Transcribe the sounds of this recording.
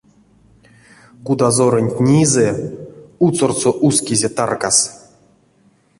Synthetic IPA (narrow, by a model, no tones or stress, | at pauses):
kud̪azoɾɔnʲtʲnʲizɛ | ut̪sorsoʔuskʲizʲet̪a̰rkas